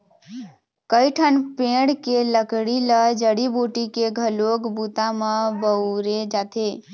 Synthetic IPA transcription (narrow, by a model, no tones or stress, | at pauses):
kəjʈʰənpẽɽkeləkɽiləd͡ʒəɽiboʈikeɡʱəlokbut̪amebəɾed͡ʒat̪ʰe